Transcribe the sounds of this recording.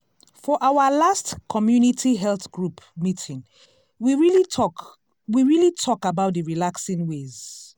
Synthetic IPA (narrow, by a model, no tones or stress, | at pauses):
fɔʔawəlastkʰɔmjunitʰiɦɛlθɡ̥ɹupmitʰĩŋ | wiɹiliɔk | wiɹilitʰɔkabaʊt̚dðəɹilaksĩŋwez̥